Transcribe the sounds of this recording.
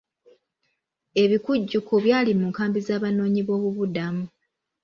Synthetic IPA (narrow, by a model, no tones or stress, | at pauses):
e̞βikuɟːukoβjaːlimuŋkaːmbizaːβano̞ːɲiβo̞ːβuβudamu